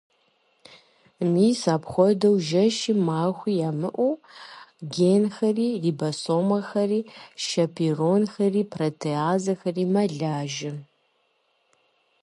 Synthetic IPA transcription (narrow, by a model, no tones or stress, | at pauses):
miːsaːpχʷɔdɐwʒɐʃimaːxʷiːjaːmɨʔʷuː | ɡeːnxɐriːriːbɐsoːmɐxɐriːʃɐpʰiːronxɐriːpʰrɐtʰeaːzɐxɐriːmɐɮaːʒɪ